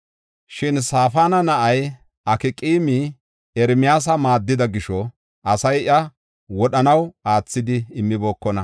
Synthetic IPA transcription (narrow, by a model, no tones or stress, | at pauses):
ʃɪnsaːfaːnɐnɐʔɐj | ʔɐkɪkʼiːmi | ɛɾmɪjaːs̬ɐmaːd̪ːɪd̪ɐɡɪʃɔ | ʔɐsɐjʔɐ | wɔɗɐnɐwaːt͡sːɪd̪ɪɪmːɪbo̞ːkːɔnɐ